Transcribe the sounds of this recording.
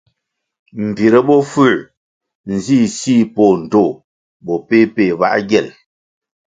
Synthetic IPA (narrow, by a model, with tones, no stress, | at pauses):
m̩˨bi˨ɾə˦bɔ˦fʉ˦˨ | n̩˨zi˦˨si˦˨po˨n̩˨to˦˨ | bɔ˨pe˦pe˦˨ba̰˦ʔɡjɛ˨l